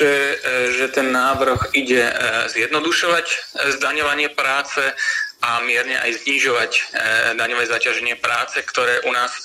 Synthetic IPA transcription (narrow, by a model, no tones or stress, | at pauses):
ɛʒɛt̪ɛnːaːʋr̩xiɟɛzjɛd̪nɔd̪uʃɔʋaczd̪aɲɔʋaɲɪɛpɾaːt͡sɛʔamɪɛɾɲɛ̰ʔa̰jzɲiːʒɔʋacd̪aɲɔʋɛːzacaʒɛɲɪɛpɾaːt͡sɛkt̪ɔɾɛːʔunaːs